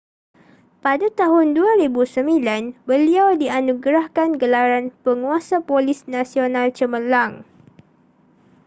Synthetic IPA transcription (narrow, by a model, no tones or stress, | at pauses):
padat̪aɦʊnduaɾibusəmilanbəliawdianũɡɾahkanɡəlaɾanpəŋuasapolisnãsionãlt͡ʃəməlaŋ